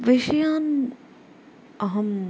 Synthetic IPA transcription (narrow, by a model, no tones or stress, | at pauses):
ʋɪʃjaːn | ɐɦɐm